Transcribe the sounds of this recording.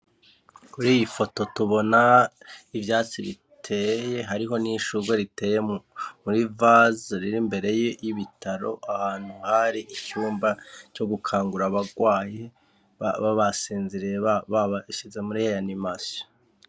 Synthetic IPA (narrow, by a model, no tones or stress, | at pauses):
kuɾiːjifo̞to̞tuβo̞na | ivjaːt͡siβi | tʰe̞je̞ɦaɾiɦo̞niʃuɡweɾite̞ːjemuɾivazɾiɾimbe̞ɾe̞jejiβitʰaɾo̞̰ʔahaːn̥huhaɾiʔicuːmbaco̞ɡukʰaːŋɡuɾaβaɡwaːje | aβaβasiːnziɾijeββaβaʃize̞muɾihejanimasijo̥